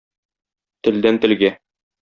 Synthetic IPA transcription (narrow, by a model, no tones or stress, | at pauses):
t̪ɘ̆ld̪ænt̪ɘ̆lɡæ